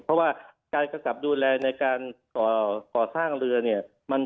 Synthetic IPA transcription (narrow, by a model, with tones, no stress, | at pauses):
pʰɔ˦˥waː˥˩kaː˧jka˧mka˨˩p̚duː˧lɛː˧na˧jkaː˧nkɔː˨˩kɔː˨˩saː˥˩ŋɾɯ˧ɐni˥˩ɐ | ma˧n